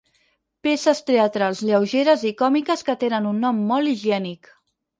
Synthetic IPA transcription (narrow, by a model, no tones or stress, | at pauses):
pesəst̪eət̪ɾalˠzʎəwʒeɾəzikɔmikəskət̪enənunːɔmːɔlˠiʒiɛnik